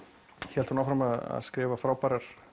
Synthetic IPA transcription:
çɛlt̪hunawfɾamaða̰ðskɾɪːvafɾaːwpaɾaɾ̥

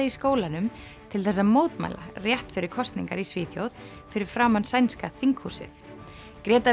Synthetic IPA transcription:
aiskoːwlanʏm | t̪ʰɪlθɛsːamoːwt̪ma̰jla̰rjɛht̪fɪɾɪɾ̥kʰɔst̪nḭŋkaɾisviːθjo̰wð | fɪɾɪɾ̥fɾaːwmansajnskaθiŋkhuːsɪ̰θ | kɾɛːt̪a

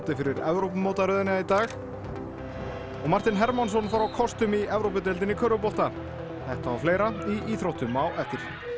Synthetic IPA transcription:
t̪ɪfɪɾɪɾɛvɾowpmowt̪aɾʏðɪnɪait̪aːx | ɔɣmar̥t̪ɪnɦɛɾmansɔnfawɾawkʰɔst̪ʏmiɛvɾowp̬ʏt̪̬ɛlt̪ɪnːɪkʰœːɾʏpɔht̪a | θɛht̪aːwfleːjɾaiiːθɾowht̪ʏmawɛft̪ɪɾ̥

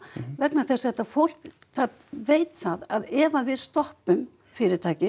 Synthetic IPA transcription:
vɛknaθɛsɛht̪ːafowl̥k | θað | veːjt̪θaðaðɛːvaðvɪðst̪ɔhpʏm | fɪːɾɪɾt̪ʰaːjcɪ

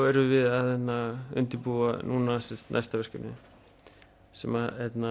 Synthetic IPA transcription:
ɛɾʏvɪðaðɛnːaʏ̰nt̪ɪpuːanuːnasɛst̪na̰jst̪avɛr̥cɛpnɪ | sɛmahɛt̪na

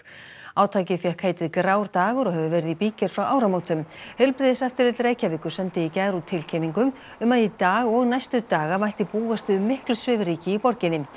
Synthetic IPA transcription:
aːwt̪ʰaːcɪfjɛhkʰːaːjt̪ɪðkɾaːwɾt̪aːɣʏɾɔɣɦɛvʏvɛːɾɪðipiːcɪɾ̥fɾawʔaːwɾamoːwt̪ʏmhɛlpɾɪðɪsaft̪ɪɾɪt̪lɾeːjcavɪːkʏ̥sɛnt̪ɪicaːɾut̪ʰɪlcʰɛniŋkʏm | ʏmaðjɪt̪aːɣɔɣnajst̪ʏt̪aːɣamajht̪ɪpuːast̪ʏʏmːɪhklʏsvɪvɾiːcɪipɔɾcɪnɪ

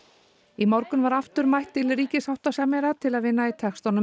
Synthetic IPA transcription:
imɔwɾkʏnvaɾaft̪ʏɾmajht̪ːɪlriːcɪsawht̪asamɛɾat̪ʰɪlaðvɪnːait̪ʰɛxst̪awnʏ

